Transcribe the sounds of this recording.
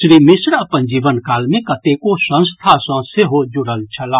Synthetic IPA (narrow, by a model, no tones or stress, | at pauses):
ʃɾiːmɪsɾɐpənd͡ʒiːʋənkaːlmẽkɐt̪ekosə̃nst̪ʰasãseɦod͡ʒʊɽəlt͡ʃʰɐlaː